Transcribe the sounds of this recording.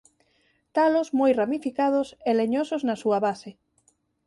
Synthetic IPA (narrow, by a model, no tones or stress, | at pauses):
t̪alozmojramifikað̞ʊseleɲosoznɐsuɐβase